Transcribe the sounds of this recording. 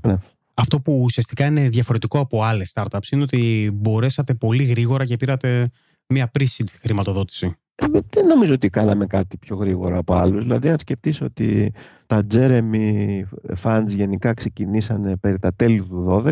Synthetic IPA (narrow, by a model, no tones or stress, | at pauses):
ne | ɐft̪o̞puːsiɐst̪ikɐine̞ðʝɐfo̞ɾe̞t̪iko̞ɐpo̞ɐle̞st̪ɐɾt̪ɐpsine̞o̞t̪ibo̞ɾe̞sɐt̪e̞po̞liɣɾiɣo̞ɾɐce̞piɾɐt̪e̞ | miɐpɾisid̪xɾimɐt̪o̞ðo̞t̪i̥si | ðenːo̞mizoot̪ikɐnɐme̞kɐt̪i̥pço̞ɣɾiɣo̞ɾɐːpo̞ɐluzðilɐðiɐnsce̞ft̪isoo̞t̪ḭt̪ɐd͡ze̞ɾe̞mi | fɐnzʝe̞nikɐkse̞cinisɐne̞pe̞ɾit̪ɐt̪e̞lit̪uðo̞ðe